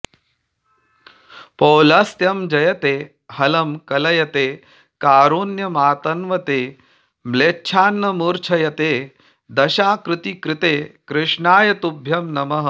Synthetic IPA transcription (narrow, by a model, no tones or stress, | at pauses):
pɐwlɐst̪jɐmd͡ʒɐjɐt̪eː | hɐlɐmkɐlɐjɐt̪eː | kaːɾuːnjɐmaːt̪ɐnʋɐt̪eː | mleːtːʃʰaːnːɐmuːɾt͡ʃʰɐjɐt̪eː | d̪ɐʃaːkɾɪt̪ikɾɪt̪eːkɾɪʂɳaːjɐt̪ubʱjɐmnɐmɐɦɐ